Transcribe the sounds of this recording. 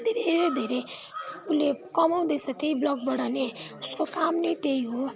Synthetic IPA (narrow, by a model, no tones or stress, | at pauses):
d̪ʱeɾeeed̪ʱeɾeulekʌmaʊ̃d̪esʰʌt̪eiblɔk̚bʌɽaneuskokamnəjt̪eiɦo